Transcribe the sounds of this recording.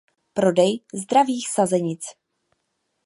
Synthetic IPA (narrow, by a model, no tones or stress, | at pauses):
pɾo̞dɛjzd̪ɾaviːxsazɛɲɪt͡s